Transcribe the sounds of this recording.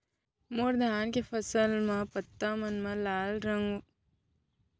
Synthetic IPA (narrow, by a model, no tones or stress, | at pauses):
moɾd̪ʱaːnkefɐsɐlmɐpɐt̪ːamɐnmɐlaːlɾɐŋɡu